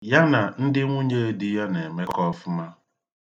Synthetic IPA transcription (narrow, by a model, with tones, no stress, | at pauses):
ja˦na˨n̩˦dɪ˦ŋʷu˦ɲe˦e˦di˦ja˦ne˨me˦kɔ˦fʊ˦ma˦